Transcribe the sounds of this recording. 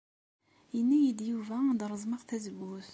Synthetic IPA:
jənːæjid̪juvæd̪ɾˤəzˤmɑʁθæzəwːuθ

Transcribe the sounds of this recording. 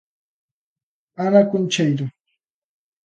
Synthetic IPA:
amakʊnt͡ʃajɾʊ

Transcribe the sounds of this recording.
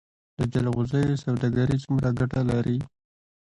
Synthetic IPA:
d̪̥əd͡ʒalɣʊzəjosawd̪aɡaɾit͡sumɾaɡaʈalaɾi

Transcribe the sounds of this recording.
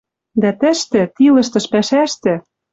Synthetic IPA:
d̪æt̪ɘ̆ʃt̪ɘ̆t̪ilɤ̆ʃt̪ɤ̆ʃpæʃæʃt̪ɘ̆

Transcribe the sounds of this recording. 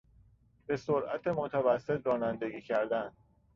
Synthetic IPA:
be̞soɾʔæ̰t̪ʰe̞mot̪ʰævæsːe̞t̪ɾɒːnænd̪e̞ɡiːcʰæɾd̪ænd̪

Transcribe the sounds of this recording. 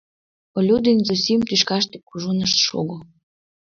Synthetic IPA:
olʲud̪enʲzosʲimt̪yʃkɑʃt̪e̥kuʒunəʃt̪ʃo̰ɣo

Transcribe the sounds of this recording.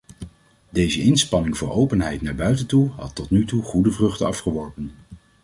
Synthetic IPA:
dejzəɪnspɑnɪŋvʊːɹowpənɦɛjtnaːɹbœɥtəntuɦɑ̰tːɔtnytuχudəvrɵχtəɑfχəʋɔɹpən

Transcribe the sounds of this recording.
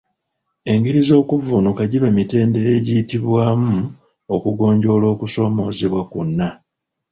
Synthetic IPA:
e̞ŋɡiɾizo̞ːkuvunukaɟiβamite̞ːnde̞ɾe̞ːɟijitiβwaːmu | o̞kuɡo̞ːɲɟo̞ːlo̞ːkuso̞ːmo̞ːziβwakunːa

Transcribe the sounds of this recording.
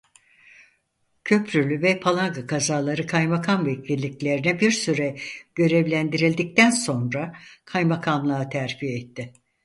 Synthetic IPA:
cʰø̞pʰɾylʲyvɛpʰalˠaŋɡakʰazaːlˠaɾɯkʰajmakʰamvecʰilʲːiclʲe̞ɾinɛbiɾsyɾɛɟ̥ø̞ɾevlʲænd̪iɾilʲd̪ic̚t̪ænso̞nɾakʰajmakʰamlˠaːt̪ʰæɾpʰijɛt̪ʰːɪ

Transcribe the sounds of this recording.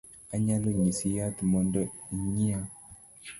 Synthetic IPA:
aɲaloɲisijat̪mɔndɔiɲia

